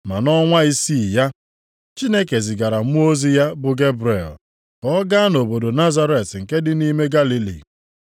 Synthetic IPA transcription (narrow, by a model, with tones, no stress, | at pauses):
ma˨nɔ˦ŋʷa˦i˦si˦˨ja˦ | t͡ʃi˦ne˦ke˨zɪ˨ɡa˨ɾa˨mu˦o˦zi˦ja˦bʊ˨ɡe˦bɾḛ˨l | kɔ˦ɡa˦no˨bo˨do˨na˦za˦ɾe˨tŋ̩˨ke˦dɪ˦ni˦me˦ɡa˦li˦lḭ˨